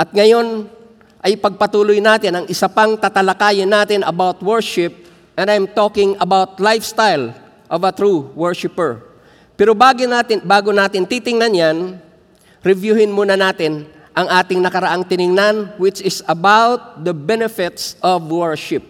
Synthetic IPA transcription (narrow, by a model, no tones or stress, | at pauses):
ʔɐt̪̚ŋɐjo̞n | ʔɐjpɐɡ̚pɐt̪uːlojnaːt̪ɪnɐŋʔɪsɐpaŋt̪at̪ɐlɐkaːjɪnːaːt̪ɪnɐbawt̪̚wɛɹʃɪp̚ | ʔɛ̃nd̪ajmt̪oːkɪŋɐbawt̪̚lajfst̪ajl | ʔɔvɐt̪ɹuwɛɹʃɪpɛɹ | pɛːɾobaːɡɪnat̪ɪbaːɡonaːt̪ɪnt̪iːt̪ɪŋnɐnjan | ɾɪvjuːhɪnmuːnɐnaːt̪ɪn | ʔɐŋʔaːt̪ɪŋnɐkɐɾɐʔaŋt̪ɪnɪŋnanwɪt͡ʃɪsɐbawt̪̚d̪ɐbɛnɛfɪt̪sʔɔvwɛɹʃɪp̚